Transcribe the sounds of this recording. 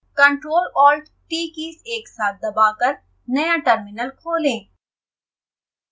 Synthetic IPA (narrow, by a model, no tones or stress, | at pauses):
kɐ̃ɳʈɾoːlɔːlʈ | ʈiːkiːseːksaːt̪̚ʰd̪ɐbaːkɐɾ | nɐjãʈəɾmɪnəlkʰoːlẽː